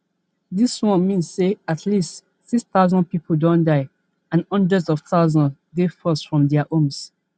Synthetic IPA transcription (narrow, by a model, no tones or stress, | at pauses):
ðiswɔ̃nmĩnsːeatʰlist | siksθaʊzɔ̃npipʰodɔ̃ndaɪ | ãnʌ̃ndəzɔfθaʊzɔ̃nɡefɔsfɹɔ̃mdɛaʔõms